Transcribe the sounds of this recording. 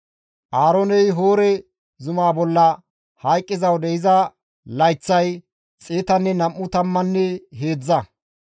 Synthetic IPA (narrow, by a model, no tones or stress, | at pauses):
ʔaːɾonɛjɦo̞ːɾɛ | zʊmaːbɔlːɐ | hɐjkʼːɪzɐwd̪ɛɪzɐ | lɐjt͡sːɐj | t͡sʼeːt̪ɐnːɛnɐmːʊt̪ɐmːɐnːɛɦeːd͡zɐ